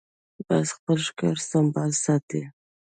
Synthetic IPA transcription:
basxpəlʃkɑɾsambasat̪i

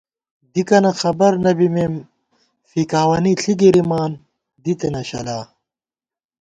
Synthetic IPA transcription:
d̪ikɐnɐxɐbɐɾnɐbimem | fikaːwɐniɬʰiɡiɾimaːn | d̪it̪enɐɕɐ̰laː

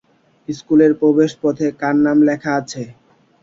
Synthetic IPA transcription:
iskuleɾpɾobeʃpɔt̪ʰekanːamlɛkʰaat͡ɕʰe

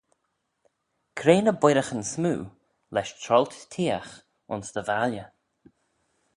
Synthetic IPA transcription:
kʰɾeːnəbwɪɾəxənsmṵː | lɛʃtʰɾɔlt̪t̪ʰiːəx | ʊ̰nsd̪əvaljə

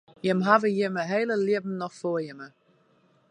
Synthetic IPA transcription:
jəmɦavəjɪməɦeːləljɪəbm̩nɔxfoəjəmə

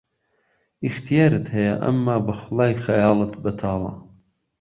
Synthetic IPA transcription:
ixt̪ʰijaːɾɨt̪hɐjɐʔɐ̰mːaːbɐxʊlˠɑːjxɐjɑːlˠɨt̪bɐt̪ʰɑːlɑ̰ː

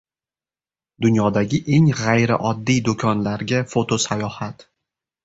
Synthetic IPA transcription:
d̪ʊnjɒd̪aɡʲɪʔe̞ŋʁajɾɪʔɒd̪ːijd̪okʰɒnlaɾɡʲafot̪ʰosajɒhat̪

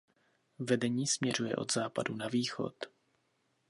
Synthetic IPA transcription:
vɛdɛɲiːsmɲɛr̝ujɛ̰ʔo̞̰d̪zaːpadunaviːxo̞̰t̪

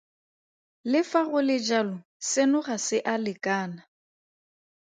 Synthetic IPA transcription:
lɪfaɣʊlɪd͡ʒalɔ | sɪnʊχasɪʔalɪkʼaːna

